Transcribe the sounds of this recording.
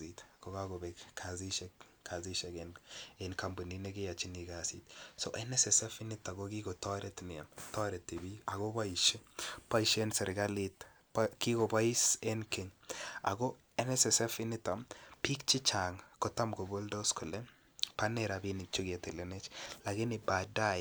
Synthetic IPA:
itko˨ɡaɡo˨bɛkkʰa˨zi˦ʃɛ˦k | ka˨ziʃɛ˨ɡenenka˨mbu˨nineɡe˦ja˨t͡ʃi˦ni˨ɡasitsoʔɛ˦nɛ˦sɛsɛ˦fɪ˦nɪ˦ta˨ɡoɡi˦ɡo˨tɔ˦ɾɛtnɪ˨a̰˨mtɔ˦ɾɛ˨tːi˨bia˨ɡo˦ba˦i˨ʃe˦pa˦iʃe˦nsɛ˨ɾɡa˦lit | paki˦ɡoba˦i˦se˦nke˨ɲa̰˨ɡo˦ | ɛ˦nɛ˦sɛsɛ˦fɪ˦nɪ˦ta˨mpi˦kt͡ʃi˦t͡ʃa˨ŋkɔ˦ta˦mɡo˨bo˦ldo˦skʊ˨lɛ˦ | pa˦nɛɾa˨binɪt͡ʃʊ˦ɡe˨tɪ˨lɛnet͡ʃla˨ɡɪ˦nɪba˨da˦

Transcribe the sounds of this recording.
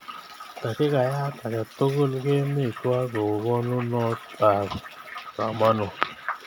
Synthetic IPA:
t̪a˨ke˦ka˨ja˦t̪a˨ka˨t̪o˦ɣo˦˨lɡe˦mi˦˨ka˦ɡo˨ɡɔ˦nu˦nɔ˦ta˨ka̰˨ma˦no˨

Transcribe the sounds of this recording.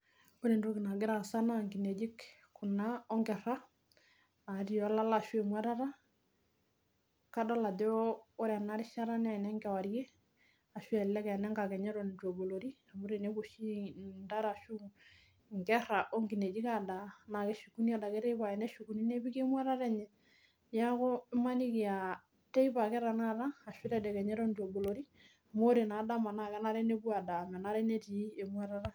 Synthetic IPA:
bu˦ɾe˨ndo˦ɡɪ˨na˨ɡɪ˦ɾa˨sa˦na˦ŋɡi˨ne˨d͡ʒi˦k | kʊ˨naɔ˦ŋɡɛ˨ɾa˦ | a˨ɾi˦ɔ˦la˦la˨ʃwe˨mwa˦ɾa˦ɾa˦ | ka˦dɔ˦la˨dɛ˦o˦ɾa˨na˦ɾɪ˦ʃa˦ɾa˦nɛ˨nɛ˦ŋɡɛ˨wa˨ɾje˦ | a˨ʃu˦ɛ˨lɛ˦kɛ˨nɛ˦ŋɡa˨kɛ˨ɲɛ˦ɾɔ˨nto˨bo˨lo˨ɾi˦a˨bu˦ɾe˨ne˦ku˨ʃi˦nda˦ɾa˨ʃu˦ | ŋɡɛ˦ɾa˨ʔo˦ŋɡi˨ne˨d͡ʒi˦ka˨da˨na˨kɛ˦ʃu˨ku˦ni˦a˦da˨kɛ˦ɾɛ˦iβa˨ɛ˨nɛ˦ʃu˨ku˨ni˦ne˦bi˦ke˦mwa˦ɾa˦ɾɛ˦ɲɛ˨ | ja˦ko˦ɪ˦ma˦ni˦ki˨a˨ | tɛ˦i˦ba˨kɛ˦ɾa˨na˦ɾaː˦˨ʃu˦ɾɛ˦dɛ˨kɛ˨ɲɛ˦ɾɔ˦ndo˨bo˨lo˨ɾi˦ | a˨mo˦ɾe˨na˨da˦ma˨na˨kɛ˦na˦ɾɛ˦ne˦bu˦a˨da˨mɛ˨na˦ɾɛ˦ne˦ti˨˦e˨mwa˦ɾa˦ɾa˦

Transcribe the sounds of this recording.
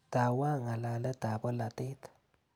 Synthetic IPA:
ta˨wa˦ŋa˨la˨lə˦ta˨bɔ˦la˨te˦tḁ

